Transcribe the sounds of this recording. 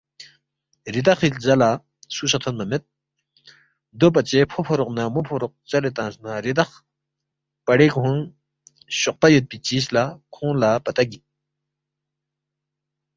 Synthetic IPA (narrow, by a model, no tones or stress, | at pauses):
rid̪aχilzala | sʰuɕʰat̪ʰonməmet̪̚ | d̪opat͡ɕepʰopʰoɾoχnamopʰoɾoq̚t͡ɕalet̪aŋsnaɾed̪aχ | paɾekɦoŋ | ɕoχpajət̪̚pit͡ɕislakʰoŋlapat̪aɦɡi